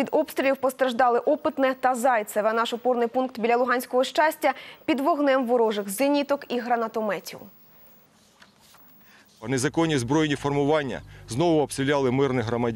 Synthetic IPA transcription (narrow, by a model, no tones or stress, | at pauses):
pʲid̪ɔpst̪ɾʲilʲiwpɔst̪ɾɐʒd̪ɑlˠɪʔɔpɪt̪nɛt̪ɐzɑjt̪sɛʋɛnɑʃɔpɔrnɪjpunkt̪bʲilʲɐlˠʊɦɑnʲsʲkɔɦɔʃt͡ʃasʲtʲːɐpʲid̪ʋɔɦnɛmʋɔɾɔʒɪxzɪnʲit̪ɔkiɦɾɐnɐt̪ɔmɛtʲḭw | pɐnezɐkɔnʲːizbɾɔjnʲifɔrmʊʋɑnʲːɐ̰znɔʋʊɔbst̪ɾilʲalˠɪmɪrnɪɦɾɔmɐdʲ